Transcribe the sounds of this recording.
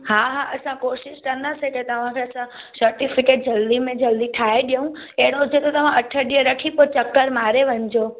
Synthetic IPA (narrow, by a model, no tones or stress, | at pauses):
ɦaɦaʔəsãkoʃɪʃʈ̪ənasʰeket̪əʋãkʰeəsãsəɾʈifɪkeʈ̚d͡ʒəld̪imẽd͡ʒəld̪iʈʰaeɗjəũeɽ̃õd͡ʒet̪ot̪əʋãʔəʈʰəɗiəɾəkʰipot͡ʃəkːəɾmaɾeʋəɲd͡ʒo